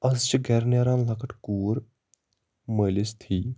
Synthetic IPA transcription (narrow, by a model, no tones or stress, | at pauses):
ɐzt͡ʃiɡɛːɾnjaːɾãːnlɐkʰəʈkuːɾ | məlist̪ʰiː